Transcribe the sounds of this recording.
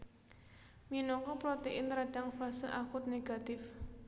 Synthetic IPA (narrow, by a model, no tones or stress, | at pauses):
minɔŋkɔpɾɔt̪eʔɪnɾaɖ̥aŋfasəʔakʊt̪̚neɡ̥a̤t̪ɪf